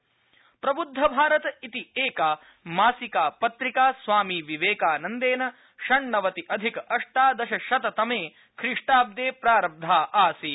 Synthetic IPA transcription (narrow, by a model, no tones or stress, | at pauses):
pɾɐbud̪ʱːɐbʱaːɾɐt̪ɐit̪ieːkaː | maːsikaːpɐt̪ɾikaːsʋaːmiːʋiʋeːkaːnɐnd̪eːnɐ | ʃɐɳːɐʋɐt̪iʔɐd̪ʱikɐɐʂʈaːd̪ɐʃɐʃɐt̪ɐt̪ɐmeː | kʰɾiʂʈaːb̚d̪eːpɾaːɾɐb̚d̪ʱaːʔaːsi